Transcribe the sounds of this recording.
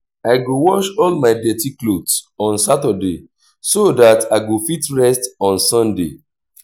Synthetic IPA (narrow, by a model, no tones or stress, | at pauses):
aɪɡowɔʃɔlmaɪdɛtiklotsɔ̃nsatəde | sodataɡofitɹɛstɔ̃nsɔ̃ndḛ